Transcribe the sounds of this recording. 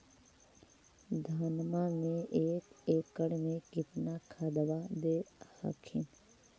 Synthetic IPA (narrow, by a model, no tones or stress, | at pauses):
d̪ʱaːnmaːmeːʔeːkekːəɽmeːkipʰnaːkʰad̪ɐʋaːd̪eːhɐ̰kʰin